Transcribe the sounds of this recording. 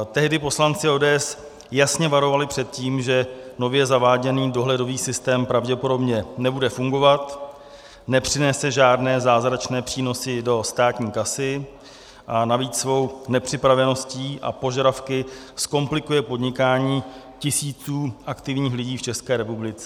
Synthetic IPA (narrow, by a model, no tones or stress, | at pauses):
t̪ɛɦdɪpo̞slant͡sɪoːdɛːʔɛs | jasɲɛvaɾo̞valɪpr̥ɛt̪̚ciːmʒɛno̞vjɛzavaːɟɛniːdo̞ɦlɛdo̞viːsɪst̪ɛːmpɾavɟɛpo̞do̞bɲɛnɛbudɛfuŋɡo̞vat̪ | nɛpr̥ɪnɛsɛʒaːdnɛːzaːzɾat͡ʃnɛːpr̥iːno̞sɪdo̞st̪aːt̪ɲiːkasɪ | ʔanaviːt͡ssvo̞wnɛpr̝̥ɪpɾavɛno̞sciːʔa̰po̞ʒaɾafkɪ | sko̞mplɪkujɛpo̞dɲɪkaːɲiː | cɪsiːt͡suːʔakt̪ɪvɲiːxlɪɟiːft͡ʃɛskɛːɾɛpublɪt͡sɛ